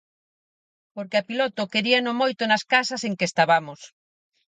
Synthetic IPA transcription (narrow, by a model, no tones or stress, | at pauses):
poɾkɪapilot̪okeɾianomojt̪onaskasɐseŋkest̪aβamos